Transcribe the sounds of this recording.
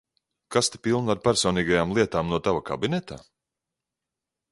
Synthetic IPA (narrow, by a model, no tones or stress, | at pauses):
kast̪i̥pilˠnaɾpæɾsɔːniːɡajaːmlˠiɛt̪aːmnuɔt̪avaka̰binɛt̪a